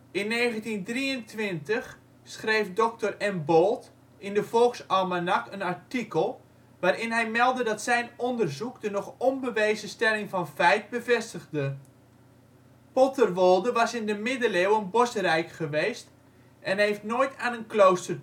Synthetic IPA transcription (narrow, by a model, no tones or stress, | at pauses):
ɪnːeːɣəntindriəntʋɪntəχ | sχrejfdɔk̚tərɛmbolˠt | ɪndəv̥ɔlˠksɔmanakənaɹtikəlˠ | ʋaːɾɪnɦɛjmɛlˠdədɑtsɛjnɔndərzukdənɔχɔmbəʋeːzəstɛlɪŋfɑnfɛjt̚bəvɛstəɣdə | pɔtərʋolˠdəʋɑsɪndəmɪdəleːwənbosərɛjkχəʋeːst | ʔɛnɦejftnoːjtaːnənklowstər